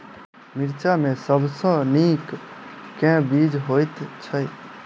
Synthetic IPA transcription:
miɾt͡ʃamesəbsə̃nikkːɛ̃bid͡ʒɦojt̪t͡ʃʰəj

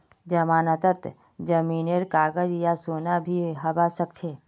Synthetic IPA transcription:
d͡ʒəmaːnət̪ət̪ | d͡ʒəmiːneɾkaːɡəd͡ʒjasoːnabʱiɦɐbasək̚t͡ʃʰeː

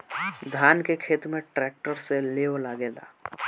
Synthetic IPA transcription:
d̪ʱaːnkekʰeːt̪mẽʈɾɛːk̚ʈəɾseleːolaɡeːla̰ː

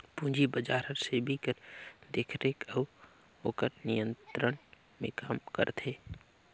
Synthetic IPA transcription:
pũːd͡ʒibəd͡ʒaːɾəɾsebʱikəɾd̪eːkʰɾekəʋ | oːkəɾnijə̃nt̪ɾən | mḛ̃kaːmkə̰ɾt̪ʰeː

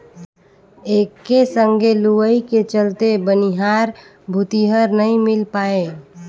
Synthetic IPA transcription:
eːkːesə̃ŋɡʱeluwəiket͡ʃəlt̪ebəniɦaːɾ | bʱʊt̪iɦəɾnəɦĩmɪlpaːe

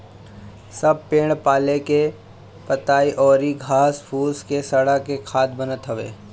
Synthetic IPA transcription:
sɐb̚pẽːɽ̃paːleke | pət̪aːiʔɔːɾiɡʱaːspʰuːskesɐɽakekʰaːd̪bənət̪ɦəʋḛː

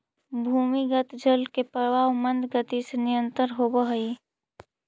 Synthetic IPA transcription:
bʱuːmiɡət̪d͡ʒəlkepəɾʋaːwmə̃nd̪ɡət̪isenɪjənt̪əɾɦobəɦəi

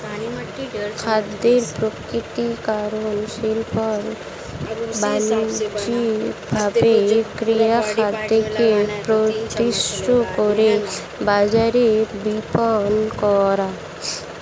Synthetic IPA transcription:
kʰad̪ːeɾpɾokɾit̪ikaɾonʃilpɔɾ | band͡ʒibʱabekɾijakʰad̪ːekepɾot̪iʃʈokoɾe | bad͡ʑaɾebipɔnkɔɾa

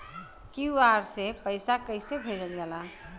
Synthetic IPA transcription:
kiʋaɾsepəɪsakəɪsebʱed͡ʒəld͡ʒala

